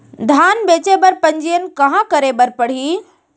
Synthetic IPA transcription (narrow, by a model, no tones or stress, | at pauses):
d̪ʱaːnbeːt͡ʃebəɾpəɲd͡ʒijənkɐɦãkəɾebəɾpəɽ̤iː